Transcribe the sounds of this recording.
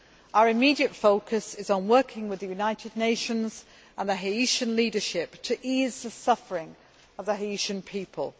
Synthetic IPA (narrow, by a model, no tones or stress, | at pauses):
aʊəɹɪmiːdiətfoʊkʰəsɪzn̩wɜˑkʰɪ̃ŋwɪðəjʉnaɪtʰɪdⁿneɪʃə̃nz̥ | ə̃nðəɦiiˑʃə̃nliːdəʃɪp̚tʰəʔiːzðəsʌfəɹɪ̃ŋ | əvðəɦɪiˑʃə̃npʰiˑpʰəlˠ